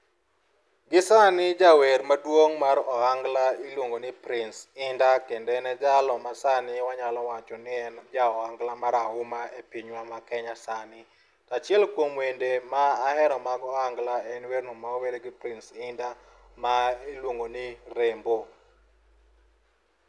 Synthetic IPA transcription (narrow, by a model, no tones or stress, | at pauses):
ɡɪsanɪd͡ʒaweɾmadwoŋmaɾɔhaŋɡlailwoŋɡonɪpɾɪnsɪndakendɛnɛd͡ʒalɔmasanɪwaɲalɔwat͡ʃɔnɪɛnd͡ʒaɔaŋɡlamaɾaɦʊmaepiɲwamakɛɲasanɪ | tat͡ʃɪɛlkwomwendemaːhɛɾɔmaɡɔaŋɡlaɛnweɾnɔmaweɾeɡɪpɾɪnsɪnda | mailwoŋɡonɪɾembo